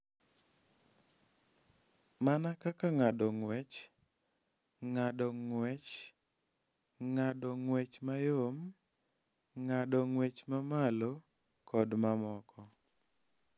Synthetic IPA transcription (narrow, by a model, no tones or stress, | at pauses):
manakakaŋadɔŋwɛt͡ʃ | ŋadɔŋwɛt͡ʃ | ŋadɔŋwet͡ʃmajom | ŋadɔŋwet͡ʃmamalo | kɔdmamɔkɔ